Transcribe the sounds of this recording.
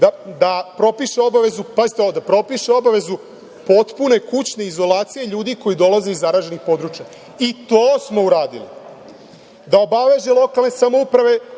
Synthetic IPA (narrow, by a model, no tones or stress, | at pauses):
d̪ad̪apɾo̞piʃeo̞baʋe̞zupait̪od̪apɾo̞piʃeo̞baʋe̞zu | po̞t̪pune̞kut͡ɕne̞izo̞laːt̪sije̞ʎuːd̪iko̞jid̪o̞laze̞izaɾaːʒenixpo̞d̪ɾuːt͡ʃja | it̪oːsmo̞uɾaːd̪ḭlḭ | d̪ao̞baʋe̞ʒe̞lˠo̞kalˠne̞samo̞upɾaʋe̞